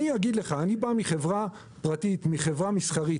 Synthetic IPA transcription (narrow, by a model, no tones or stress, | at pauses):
niaɡid̪le̞χaːnibamiχe̞vʁa | pʁatit̪miχe̞vʁamisχaʁit